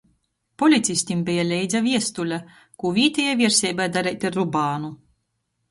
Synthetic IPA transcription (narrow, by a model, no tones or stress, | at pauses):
pɔlʲit̪sʲisʲt̪ʲimbɛjalʲɛjd̪zaviɛst̪ulʲa | kuːvʲiːt̪ʲɛjajvʲiɛɾsʲɛjbajd̪aɾɛjt̪ʲaɾːubaːnu